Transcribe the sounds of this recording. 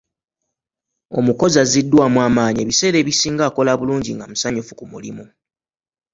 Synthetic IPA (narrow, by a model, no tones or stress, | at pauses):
o̞̰muko̞zazidːwaːmwaːmaːɲie̞ːβise̞ːɾe̞ːβisiːŋɡaːko̞laβuluːɲɟiŋɡamusaɲufukumulḭmu